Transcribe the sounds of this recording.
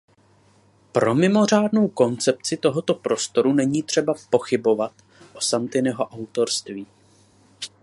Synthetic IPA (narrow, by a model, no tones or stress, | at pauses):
pɾo̞mɪmo̞r̝aːdno̞wko̞nt͡sɛp̚t͡sɪt̪o̞ɦot̪o̞pɾo̞st̪o̞ɾunɛɲiːt̪r̝̥ɛbapo̞xɪbo̞vat̪ | ʔo̞sant̪ɪnɛɦo̞ʔawt̪o̞ɾst̪viː